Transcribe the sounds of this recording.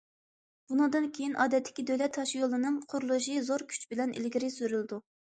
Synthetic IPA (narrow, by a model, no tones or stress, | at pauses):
b̥unɨŋd̪ɨnkʲʰejinʔɑːd̪ɛt̪ʰːɪ̥kʲid̪øjlɛt̪ʰːɑʃjolˠɨnɨŋqʰʊɾulˠuʃizoɾkʲʰy̥t͡ʃbɪlɛnʔɪ̰lɡʲiɾɪsyɾylˠɪd̪u